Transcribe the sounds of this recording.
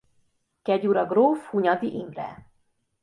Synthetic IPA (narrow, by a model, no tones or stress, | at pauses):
kɛɟuɾɒɡroːfhuɲɒd̪iʔimrɛ̰